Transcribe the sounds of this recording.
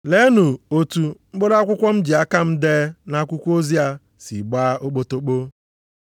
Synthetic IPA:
le˦nu˨o˨tu˨m̩˦ɡ͡bo˦ɾa˦kʷʊ˦kʷɔ˦m̩˦d͡ʒi˨a˦ka˦m̩˦deː˦na˦kʷu˦kʷo˦zi˦a˦ | sḭ˨ɡ͡baː˦ʔo˦k͡po˨to˦k͡po˦

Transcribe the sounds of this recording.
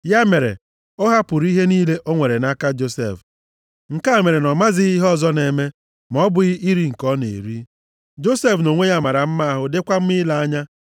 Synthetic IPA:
ja˦me˨ɾḛ˨ | ʊ˦ɦa˦pʊ˨ɾi˦ɦe˦niː˦le˦ʔo˦ŋʷe˨ɾe˨na˦ka˦d͡ʒo˦sḛ˨f | ŋ̩˨ka˦˨me˨ɾe˨nɔ˨ma˦zɪ˦i˦ɦɔ˦˨zɔ˦ne˨me˦ | mɔ˦bʊ˨i˦i˦ɾi˦ŋ̩˨kɔ˦nḛ˨ɾi˦ | d͡ʒo˦se˦fno˨ŋʷe˦ja˦˨ma˨ɾa˨m̩˦ma˦a˦ɦʊ˦dɪ˦kʷa˦m̩˦mɪ˦la˦a˦ɲa˦

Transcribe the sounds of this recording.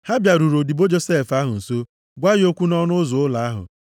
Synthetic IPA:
ha˦bja˨ɾu˨ɾo˨di˨bo˦d͡ʒo˦se˦˨fa˦ɦʊ˨n̩˨so˦ | ɡʷa˦jɪ˦o˦kʷu˦nɔ˦nʊ˦zʊ˨ʊ˦la˨a˦ɦʊ̰˨

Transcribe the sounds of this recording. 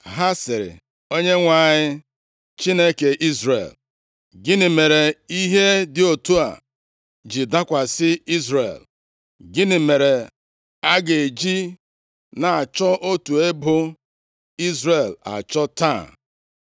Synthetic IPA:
ɦa˦sɪ˨ɾɪ̰˨ | o˦ɲe˦ŋʷa˨ɲɪ˦ | t͡ʃi˦ne˦ke˨ʔi˦zɾḛ˨l | ɡɪ˦nɪ˨me˨ɾe˨i˦ɦe˦dɪ˨o˨tu˦a̰˨ | d͡ʒi˨da˦kʷa˨sɪ˦i˦zɾḛ˨l | ɡɪ˦nɪ˨me˨ɾe˨ | a˦ɡe˨d͡ʒi˦ | na˨a˨t͡ʃɔ˦ʔo˦tu˨e˦bʊ˦ | i˦zɾe˨la̰˨t͡ʃɔ˦ta˦˨

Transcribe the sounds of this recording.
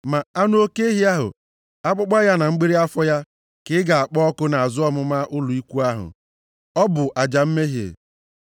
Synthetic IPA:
ma˨a˦nʊ˦o˦ke˦ɦi˦a˦ɦʊ̰˨ | a˦k͡pʊ˦ɡ͡ba˦ja˦na˨ŋ͡m̩˦ɡ͡bi˦ɾi˦a˦fɔ˦ja˦ | kɪ˨˦ɪ˦ɡa˨a˨k͡pɔ˦ɔ˦kʊ˦na˨a˨zʊ˦ɔ˦mʊ˦ma˦ʔʊ˦lʊ˨i˦kʷu˦a˦ɦʊ̰˨ | ɔ˦bʊ˨ʔa˨d͡ʒa˨m̩˦me˦ɦi˨ḛ˨

